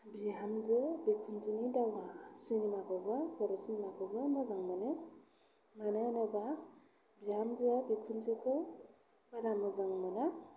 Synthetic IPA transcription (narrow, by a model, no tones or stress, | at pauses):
biɦamzɯbikʰunzɯnidawasinimaɡɯbɯkʰɔɾɔsinimaɡɯbɯmɯzaŋmɯnɯ | manɯnɯba | biamzɯabikʰunzɯkʰɯ | maɾamɯzaŋmɯna